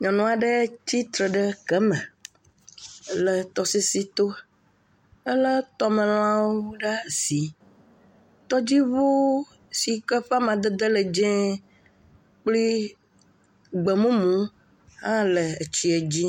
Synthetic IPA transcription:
ɲɔ̃˨nɔ̃˨a˨ɖə˦t͡ɕi˦t̪ɾə˨ɖə˦kɛ˦mɛ̃˨ | lə˨t̪ɔ˨si˦si˦t̪o˦ | ə˦lə˦t̪ɔ˦mə̃˨l̃ã˦woo˦ɖa˦˨si˨ | t̪ɔ˦d͡ʑi˦βo˦ | si˨kə˦ɸa˦mã˨d̪e˦d̪ə˦le˨d͡ʒɛ̃˦ | k͡pli˦ | ɡ͡bɛ˨mũ˦mũ˦ | hã˦lə˨ə˨t͡ɕi˦e˨d͡ʑi˦

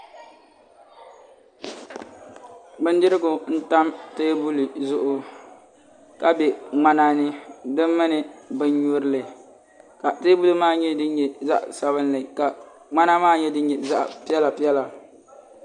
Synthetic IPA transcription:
ɡ͡bɨ˦n˦dɪ˦ɾɪ˦ɡʊ˨n̩˦ta˦mte˦bu˦li˨zʊ˦ʔʊ˦ | ka˦bɛ˨ŋ͡ma˦na˦˨nɨ˦dɨ˦mːɨ˦nɨ˨bɨ˦ɲɲu˦ɾɨ˦lɨ˨ | ka˨te˦bu˦lɨ˦maː˦˨ɲɛ˦dɨ˦ɲ˦ɲɛ˨za̰˦ʔsa˨βɨ˦n˦lɨ˨ka˨ | ŋ͡ma˦na˦maː˦˨ɲɛ˦dɨ˦ɲɲɛ˨za˦ʔpɛ˦la˨pi˦ɛ˦la˨

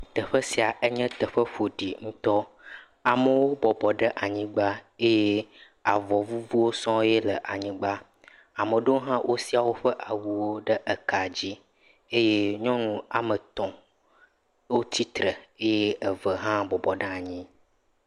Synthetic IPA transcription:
t̪ə˨ɸə˦si˨a˨ʔe˦ɲɛ̃˦t̪ə˨ɸə˦ɸo˨ɖi˨ŋũ˦t̪ɔ˦ | a˨mə˦wo˦bɔ˨bɔ˨ɖə˦ʔa˨ɲĩ˦ɡ͡ba˦e˦jɛ˦ | a˨vɔ˨vu˦vu˦wo˦sɔ̃˦jɛ˦lə˨ʔa˨ɲĩ˦ɡ͡ba˦ | a˨mə˨ɖə˦wo˦ɦã˦wʔo˦si˦a˨wo˦ɸə˦ʔa˨wu˨wo˦ɖə˦ʔə˨ka˨d͡ʑi˦ | e˦je˦ɲɔ̃˦nũ˦a˨mə̃˨t̪ɔ̃˨ | wo˦t̪i˦t̪ɾə˨e˦jɛ˦ə˨və˨ɦã˦bɔ˨bɔ˨ɖə˦a˨ɲĩ˦

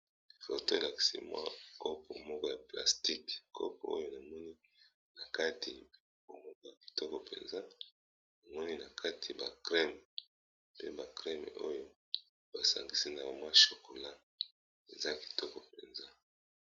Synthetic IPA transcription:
fo̰˨to˦e˨la˨ki̥˨sḭ˦mwa̰˦ko˦po˨mɔ˦kɔ˦ja˨pla̰˨sti˦kkʰo̰˦p̚o˨o̰˦jo˦na˨mɔ˦ni˦ | na˨ka˦tʰi˨˦ | bo˨mɔ˦kɔ˦ja˨ki̥˨tɔ˦kɔ˨pḛ˨nza˦ | na˨mɔ˦ni˦na˨kʰa˦tʰi˨ba̰˨kʁɛ˦m˨ | pḛ˦ba˨kʁɛ˦me˨o˦jo˦ | ba˨sa̰˨ŋɡi˨si˦na˨ba˨mwa˦ʃo˨ko˨la˦ | ḛ˨za˦ki̥˨tɔ˦kɔ˨pḛ˨nza˦

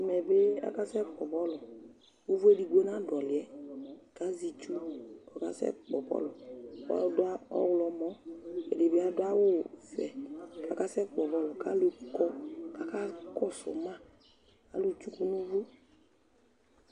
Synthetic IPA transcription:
mɛ˨be˦a̰˨˦ka˦sɛ˦k͡pɔ˨bɔ˦lɔ˨ | u˦vu˦e˦di˨ɡʷo˦na˦dɔ˨lɪ˨ɛ˨˦ka˨˦zi˨t͡ʃu˦ɔ˨ka̰˦sɛ̰˦˨k͡pɔ˨bɔ̰˦lɔ̰˨˦ | dʊ˦a˦ɔ̰˦wlɔ˨mɔ˦ḛ˨de˨bɪ˨˦a˦dʊ˦a˦wo˦fɛ˨ka˨ka˦sɛ˦k͡pɔ˨bɔ˦lɔ˨ka˨˦lo˨kɔ˦ka˨ka˦kɔ˦sɔ̰˨ma˦ | a̰˨˦lu˨t͡ʃu˦ku˦nu˦vu˦

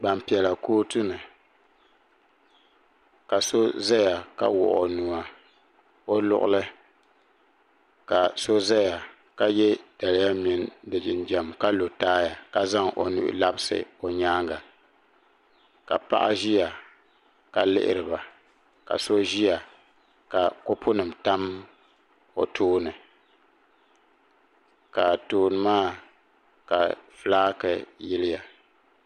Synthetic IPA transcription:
ɡ͡ba˨m˨pi˨ɛ˨la˨koː˦tu˦nɨ˨ | ka˨so˦za˦ja˨ka̰˦wʊ̰˨ʔo̰˨nu˨a˨ | o˦lʊ̰˦˨ʔʊ̰˦lɨ˦ | ka˨so˦za˦ja˨ | ka˦jɛ˦d̥a˨lɪ˦ja˦mɪ˨ndɨ˨d͡ʒɪ˨nd͡ʒɛ˨m˨ka˦lo˨taː˦ja˨ka˦za˦ŋʔo̰˨nṵ˦ʔʊ̰˦la˦bɪ˦sɨ̰˨o˨ɲaː˦ŋɡa˨ | ka̰˨pa̰˦ʔa̰˦ʒi˦ja˨ | ka˨lɪ̰˦ʔɪ̰˦ɾɨ˨ba˨ | ka̰˨so˦ʒi˦ja˨ | ka˨ko˦pʰʊ˦nɨ˨mta˦m | o̰˨tʰoː˦nɨ˨ | ka˨toː˨nɨ˨maː˦˨ | ka̰˨flaː˦kɨ˨jɪ˦lɪ˦ja˨

